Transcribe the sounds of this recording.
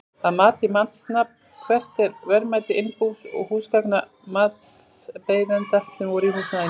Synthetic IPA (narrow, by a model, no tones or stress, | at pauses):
aðmaːt̪ɪmant̪snap̚n̥kʰvɛr̥t̪ɛɾvɛɾmaːjt̪ɪɪnpusɔ̰ɣhuːskakna | maːt̪ | speːjvɛnt̪asɛmvɔɾihusnað